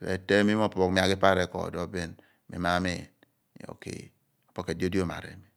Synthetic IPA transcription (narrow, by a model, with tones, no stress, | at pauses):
lḛ˨te˦mi˦m˦o˦˨po˨kmi˨a˨ki˦pa˦ɾe˨kɔ̰˨dɔ˦be˦n | mḭ˨ma˦mḛ˦˨n˦ | jo̰˨kḛ˨ | o˨po˦ke˨di˦o˦di˦o˦˨ma̰˨ɾḛ˨mi˦